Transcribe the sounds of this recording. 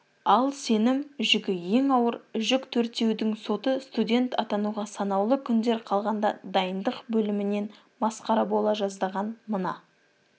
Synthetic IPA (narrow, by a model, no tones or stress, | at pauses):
ɑlˠse̞nɪmʒʏɡʲɪje̞ŋɑwəɾʏʒɪkt̪ʰɵɾt̪e̞wd̪ɪŋso̞t̪əst̪udʲe̞nt̪ɑt̪ɑnuʁɑsɑnɑwlˠəkʲʰʏnd̪e̞ɾqʰɑlˠʁɑnd̪ɑ̰d̪ɑjənd̪əqbɵlɪmɪne̞n | mɑsqɑɾɑbo̞lˠɑʒɑzd̪ɑʁɑnmənɑ̰